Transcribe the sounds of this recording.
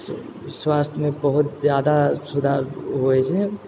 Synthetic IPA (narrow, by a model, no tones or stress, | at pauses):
swaːst̪ʰmẽbəɦʊt̪zjaːd̪asud̪ʱaɾɦoɛt͡ʃʰɛ